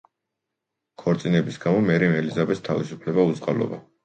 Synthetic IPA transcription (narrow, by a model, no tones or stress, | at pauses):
kʰɔɾt̪sʼinɛbisɡamɔmɛɾimɛlizabɛt̪st̪ʰavisupʰlɛbauzqʼalɔ̰ba